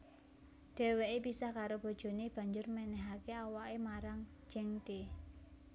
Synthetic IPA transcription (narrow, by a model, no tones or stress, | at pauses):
ɖ̥ɛ̤weepisahkaɾob̥o̤d̥ʒ̥o̤neb̥ä̤ɲd͡ʒʊrmɛnɛɦakeawaʔemaɾaŋ̥ | d͡ʒ̥ɛŋt̪e